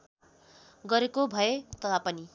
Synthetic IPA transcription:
ɡʌɾekobʱʌet̪ʌt̪ʰapʌni

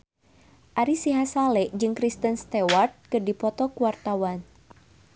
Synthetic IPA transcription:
ʔaɾisiɦasalɛʔd͡ʒɨŋkɾist̪ənst̪ɛwart̪̚kɨrdipɔt̪ɔkuwart̪awan

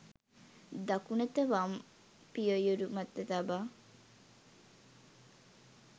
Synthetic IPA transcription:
d̪ɐkunet̪əʋam | pijojuɾumɐt̪ːɐt̪abaː

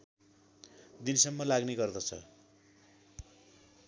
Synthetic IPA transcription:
d̪insʌmːʌlaɡneɡʌrd̪ʌt͡sʰʌ̰

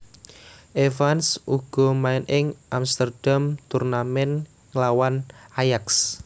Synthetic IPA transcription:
ʔevansʔuɡ̥ɔ̤maɪnʔɪŋʔamst̪ərd̥amt̪urnamɛn | ŋlawanʔajaks

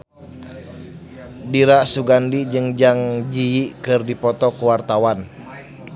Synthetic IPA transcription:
diɾasuɡandid͡ʒɨŋd͡ʒaŋd͡ʒiikɨrdipɔt̪ɔkuwart̪awan

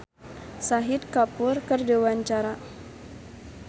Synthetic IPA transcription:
saɦɪt̪̚kapʊrkərdewaɲt͡ʃaɾa

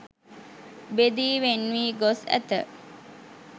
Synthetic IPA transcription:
bed̪iːʋenʋiːɡosæ̰t̪ə̰

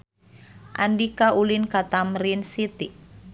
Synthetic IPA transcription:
ʔa̰ndikaʔulinkat̪amɾinsit̪iʔ

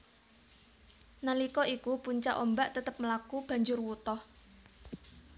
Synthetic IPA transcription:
nalikɔikupuɲt͡ʃaʔombaʔt̪ət̪əp̚məlakub̥ä̤ɲd͡ʒʊrwut̪ɔh

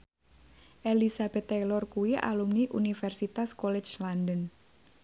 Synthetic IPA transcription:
ʔelisab̥ɛt̪ːelɔrkuiʔa̰lumniʔunifɛrsit̪askolɛt͡ʃlandən

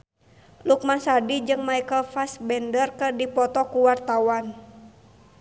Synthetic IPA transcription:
luk̚mansadid͡ʒɨŋmaijkəlfasbɛndərkɨrdipɔt̪ɔkuwart̪awan

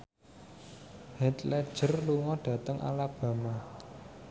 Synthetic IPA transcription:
hɛt̪lɛd̥ʒ̥ə̤rluŋɔɖ̥ä̤t̪əŋʔa̰lab̥ä̤ma

